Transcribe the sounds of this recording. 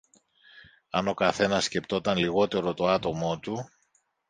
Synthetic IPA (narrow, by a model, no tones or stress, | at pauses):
ɐno̞kɐθe̞nɐsce̞pt̪o̞t̪ɐnliɣo̞t̪e̞ɾo̞t̪o̞ɐt̪o̞mo̞t̪u